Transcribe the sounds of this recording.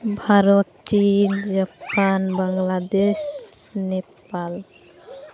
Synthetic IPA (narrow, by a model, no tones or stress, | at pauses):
bʱaɾɔt̪̚t͡ʃind͡ʒapanbaŋlad̪eɕ | nepal